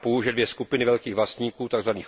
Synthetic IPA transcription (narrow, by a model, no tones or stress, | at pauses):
puʒɛdvjɛskupɪnɪvɛlkiːɣvlast̪ɲiːkuːt̪aɡzvaniːx